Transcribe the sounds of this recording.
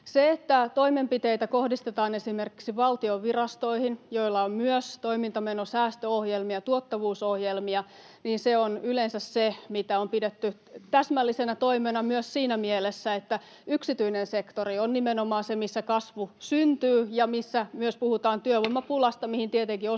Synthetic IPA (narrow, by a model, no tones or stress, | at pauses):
seet̪ːæt̪oimempit̪eit̪ækohdist̪et̪ɑːnesimerki̥ksiʋɑlt̪ioʋʋirɑst̪oihinjoilːɑommyøst̪oimint̪ɑmenosæːst̪øohjelmiɑt̪uot̪ːɑʋuːsohjelmiɑ | niːnseonylensæssemit̪æompidet̪ːy | t̪æsmælːisenæt̪oimenɑmyøssiːnæmielesːæet̪ːæ | yksit̪yinensekt̪orionnimenomɑːnsemisːækɑsʋusynt̪yːjɑmisːæmyøspuhut̪ɑːnt̪yøʋoimːɑpulɑst̪ɑmihint̪iet̪eŋkio